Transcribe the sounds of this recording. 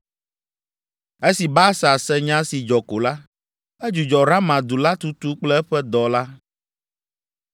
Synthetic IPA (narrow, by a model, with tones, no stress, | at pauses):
e˦si˨ba˦sa˨sɛ˦ɲã˦si˨d͡ʒɔ˨ko˨la˦ | ɛ˦d͡ʒu˨d͡ʒɔ˨ɾa˦mã˨d̪u˨la˦t̪u˦t̪u˦k͡plɛ˦ɛ˦ɸɛ˦d̪ɔ˨la˦